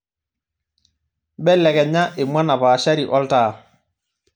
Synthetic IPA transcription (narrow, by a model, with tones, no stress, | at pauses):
bɛ˦lɛ˨ɡɛ˨ɲa˦ʔe˨mwa˦na˨βaː˨ʃa˦ɾi˨ʔɔ˦ltaː˦˨